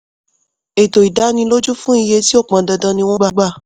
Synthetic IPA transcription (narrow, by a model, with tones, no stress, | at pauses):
e˨to˨i˨da˨˦nĩ˧lo˦d͡ʒu˦fũ˦i˧je˧ti˦o˦˨k͡pã˨da˨dã˧˦nĩ˧w̃ɔ̃˦ɡ͡ba˦ɡ͡ba˦˨